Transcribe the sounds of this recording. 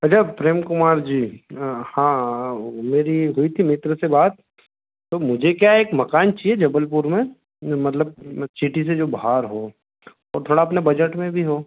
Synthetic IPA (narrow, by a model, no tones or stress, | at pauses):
ɐt͡ʃʰapɾeːmkʊmaːɾd͡ʒiːhãː | meːɾiɦʊit̪ʰimɪt̪ɾsebaːt̪ː | omʊd͡ʒʱekjaeːkmɐkaːnt͡ʃied͡ʒɐbəlpuɾmẽ | mɐt̪ləb̚t͡ʃʰiʈised͡ʒoːbɦaːɾɦoː | ɔːɾt̪ʰoːɽaɐpnebɐd͡ʒəʈmẽbʱiɦoː